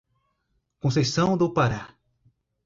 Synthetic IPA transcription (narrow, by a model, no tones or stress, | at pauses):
kõsesɐ̃w̃d̪opaɾa